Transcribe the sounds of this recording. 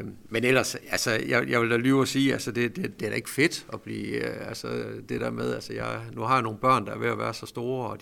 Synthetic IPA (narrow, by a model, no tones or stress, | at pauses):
menelɐsælsɒjɑɪjɑ̈ɪʋeld̥ælyːʊɒsiːælsəd̥e̝d̥ed̥e̝æɐɾe̝ɡ̥fe̝d̥ɒ̽b̥lḭːælsəd̥e̝d̥æɐmeð̞ˠælsəjɑ̈ɪnuhɑ̈jano̝ːn̩b̥ɶɐ̰nd̥ɑ̈ɐʋe̝æʋæːɐsɒ̽sd̥o̝ːɐɒ̥